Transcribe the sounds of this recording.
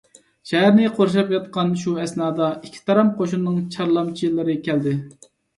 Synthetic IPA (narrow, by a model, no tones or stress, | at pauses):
ʃɛɦæɾnɪqʰoɾʃ̬ɑpjɑt̪̚qɑnʃuɛsnɑːd̪ɑikʲʰːi̥t̪ʰɑɾɑmqʰoʃunːɨŋt͡ʃʰɑɾlˠɑmt͡ʃʰijilːɨɾɪkʲʰɛld̪ɪ